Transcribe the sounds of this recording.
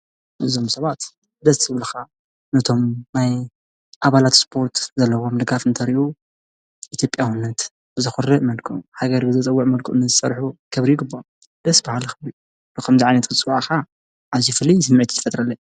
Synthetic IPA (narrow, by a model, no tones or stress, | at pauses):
ʔɨzo̞msɐβat̪ | d̪ɐsɨβlɐxa | nɐt̪ʰo̞mnaj | ʔaβalat̪spʰo̞ɾt̪ʰzɐlːɐwo̞mɨd̪ɡafɨnt̪ʰɐɾiʔu | ʔit̪jo̞pʼjaxunːɐt̪ | bɨzɨxurːɨʔmɐlkʰuhaɡɐɾbɨzɨt͡sʼɐwːuʕmɐlkʰuʔnɨzɨsɐɾħukʰɐβɾijɡɨbːo | d̪̥ɐsbahalxɨβɾi | lɨkʰɐmziʕajnɐt̪kʰɨt͡sʼɨwʕaxa | ʕazifɨlːisɨmːɨʕt̪ʰi̥t̪ʰɨ̥fɐt̪ʼɾɐlːɐ